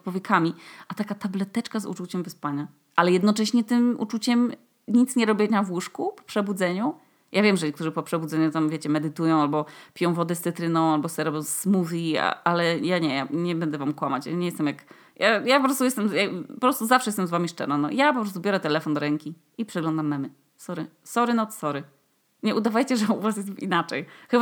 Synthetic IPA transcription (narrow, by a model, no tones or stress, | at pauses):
t̪pwɔvʲjɛkʰamʲiʔat̪akat̪ablɛt̪ɛt͡ʂkazṵt͡ʂut͡ɕɛmvɛspaɲa | ʔalɛjɛd̪nɔt͡ʂɛɕɲɛt̪ɘmʔṵt͡ʂut͡ɕɛm | ɲit̪sɲɛɾɔbʲɛnavwuʂkupɔ̥pʂɛbud̪zɛɲu | jʔavʲjɛmʐɛɲɛkt̪uʐɘpɔpʂɛbud̪zɛɲut̪amvʲet͡ɕɛmɛd̪ɘt̪ujɔ̃w̃albɔpʲijɔ̃w̃vɔd̪ɛst̪sɨt̪ɾɘnɔ̃w̃albɔsɛɾɔbʲjɔ̃w̃smuvʲia̰alɛjaɲɛjaɲɛbɛnd̪ɛvamkwamat͡ɕjaɲɛjɛst̪ɛmjak | jajapɔpɾɔst̪ujɛst̪ɛmjapɔpɾɔst̪uzafʂɛjɛst̪ɛmzvamʲiʂt͡ʂɛ̰nanɔ̰japɔpɾɔst̪ubʲjɔɾɛt̪ɛlɛfɔnd̪ɔɾɛŋkʲi | ipʂɛɡlɔ̃nd̪amnam | sɔɾɘsɔɾɘnɔt̪sɔɾɘ | ɲɛʔud̪avajt͡ɕɛʐɛuvasjɛst̪inat͡ʂɛjxɘba